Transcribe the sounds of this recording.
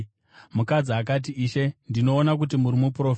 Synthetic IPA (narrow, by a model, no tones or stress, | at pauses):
mukad͡ziɦak̬at̬iːʃe̞ndino̞ːnak̬ut̬imuɾimupro̞f